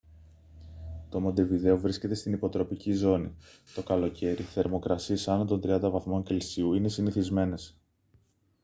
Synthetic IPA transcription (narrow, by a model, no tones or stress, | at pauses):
t̪o̞mo̞nd̪e̞viðe̞o̞vɾisce̞t̪est̪inipo̞t̪ɾo̞picizo̞nḭt̪o̞kɐlo̞cʰe̞ɾiθe̞ɾmo̞kɾɐsiesɐnont̪o̞nd̪ɾiɐnd̪ɐvɐθmo̞ɲce̞lsiuine̞siniθizme̞ne̞s